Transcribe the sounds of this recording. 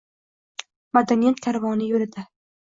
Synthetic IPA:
mad̪anijat̪kʲʰaɾvɒnɪjɵɾɪd̪a

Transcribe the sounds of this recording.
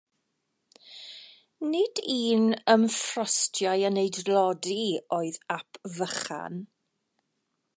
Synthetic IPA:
nɪdiːnəmfrɔstʰjajənejdlɔdioːɨðapʰvəχa̰n

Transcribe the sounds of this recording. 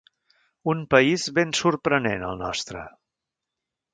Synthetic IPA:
unpəizβensurpɾənenə̰lˠnɔ̰st̪ɾə̰

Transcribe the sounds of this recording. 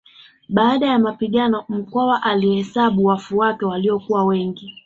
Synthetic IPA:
ɓaːɗajamapiɠanɔm̩kɔwaʔalihɛsaɓuwafuwakɛwaliɔkuwawɛŋɡi

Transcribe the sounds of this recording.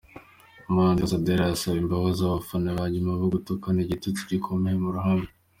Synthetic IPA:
umanzezadeɾasaβimbaβazaβafanaβaɟimaβoɡutukaniɟitutuɟikʰomehemuɾuɦami

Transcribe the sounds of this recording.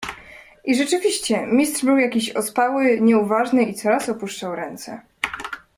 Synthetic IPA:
ʔiʐɛt͡ʂɘvʲiɕt͡ɕɛmʲist̪ʂbɘwjakʲiɕɔ̰spawɘɲɛuvaʐnɘit̪sɔɾasɔpuʂt͡ʂawɾɛnt̪sɛ̰

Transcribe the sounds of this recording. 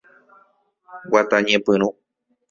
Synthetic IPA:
wat̪aɲẽpɨ̃ɾ̃ũ

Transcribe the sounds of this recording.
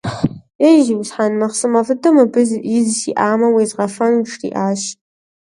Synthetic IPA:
χ | eʒiwzħanmɐχsɨmɐvɨdɨmɐbɨzizsiʔaːmɐwizʁɐfɐnuʈ͡ʂʰrḭʔaːʃ

